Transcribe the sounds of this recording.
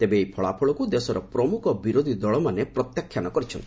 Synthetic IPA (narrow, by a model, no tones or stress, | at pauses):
t̪ebeːjpʰɔɭapʰɔɭɔkud̪esɔɾɔpɾɔmukʰɔbiɾod̪ʱid̪ɔɭɔmanepɾɔt̪jakʰːjanɔkɔɾit͡ʃʰɔnt̪i